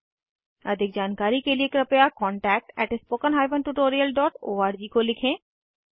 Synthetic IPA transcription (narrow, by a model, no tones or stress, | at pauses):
əd̪ʱik̚d͡ʑankaɾikeliekɾəpejakɔɳʈɛk̚ʈɛʈspokənɦajbənʈuʈoɾiəlɖɔʈoːaɾd͡ʑikolikʰẽ